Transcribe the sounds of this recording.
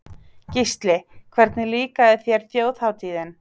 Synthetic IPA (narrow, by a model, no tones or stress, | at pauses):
cist̪lɪkʰvɛɾt̪nɪliːkaðɪθjɛɾ̥θjoːwθhawt̪ʰiːðɪn